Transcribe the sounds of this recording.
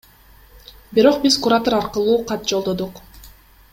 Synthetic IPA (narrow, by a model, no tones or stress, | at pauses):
biɾo̞qbizkuɾat̪oɾɑɾqəlˠuːqʰɑt̪̚d͡ʒolˠd̪o̞d̪uq